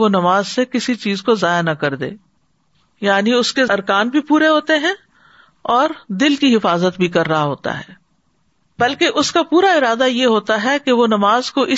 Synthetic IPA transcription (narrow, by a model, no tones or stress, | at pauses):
ʋonɐmaːzsekɪsit͡ʃiːzkozaːjanɐkɐɾd̪ḛː | jaːniʊskeɐɾkaːnbʱipuːɾeɦoːt̪eɦɛ̃ | ɔːɾd̪ɪlkiɦɪfaːzət̪bʱikɐɾːɐɦaɦoːt̪a̰ɦɛ̰ː | bɐlkeʔʊskapuːɾaɪɾaːd̪ajeɦoːt̪aɦɛkeʋonɐmaːzkoʔɪ